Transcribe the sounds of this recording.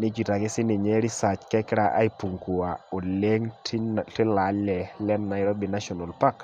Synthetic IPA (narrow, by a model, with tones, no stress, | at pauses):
ni˦t͡ʃi˨ta˨kɪ˦sɪ˦nɪ˨ɲɛ˦ɾi˦sa˨t͡ʃkɛ˦kɾa˨ʔa̰˦i˦pu˨ŋku˨a˨o˨le˦ŋttɪ˦la˨˦lɛ˨lɛ˦nːa˨jɾɔ˦bi˨na˦ʃɔ˨na˨lpa˦k